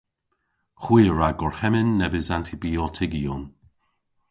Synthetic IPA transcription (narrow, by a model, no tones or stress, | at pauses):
xwiːɹaɡɔɹhɛmənːɛbəzantʰibiɔtʰɪɡiɔn